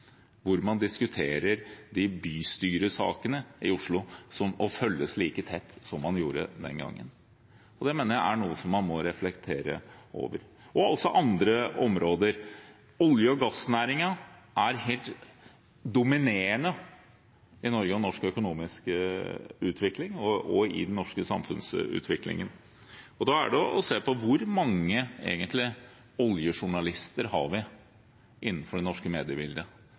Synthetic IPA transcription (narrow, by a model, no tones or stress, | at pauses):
ʋʊɾmɑnd̪ɪskʉt̪ʰeːɾəɾd̪ɪbyːst̪yːɾəsɑ̰ːkənəɪʊʂɭʊsɔmɔfœlːəsliːkət̪ʰɛt̪ːsɔmːɑnjuːɾə̰d̪ɛ̰nɡɑ̰ŋːə̰n | ɔd̪ɛmeːnəɾjæɪʔæɳuːəsɔmːɑnmɔɾɛflɛkt̪ʰeːɾə̰o̰ːʋəɾ | ɔɔlsɔʔɑnd̪ɾəɔmɾoːd̪əɾ | ɔljəɔɡɑsːnæːɾɪŋɑ | ʔæɾheːlt̪ | d̪ʊmɪneːəɳə | ɪnɔɾɡəɔnɔʂkœkʊnuːmɪskəʉːt̪ʰʋɪklɪŋɔɔɪ̰d̪nnɔʂkəsɑmfʉ̰nsʉ̰ːt̪ʰʋɪklɪ̰ŋən | ɔd̪ɑːæ̰ɖɛʔɔseːpɔʋʊɾmɑŋːəḛːɡənt̪lɪ | ɔljəʂʊɳɑlɪst̪əɾɦɑ̰ɾʋɪ | ʔɪnːn̩fɔɖɛnɔʂkəmeːd̪ɪəbɪld̪ə